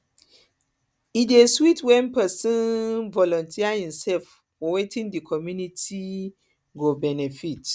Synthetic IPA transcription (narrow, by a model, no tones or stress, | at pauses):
ideswitwɛ̃npɛsɔ̃nvɔlɔ̃ntʰiaĩmsɛlf | wɔwetʰĩndikʰɔmjunitʰi | ɡobɛnɛfit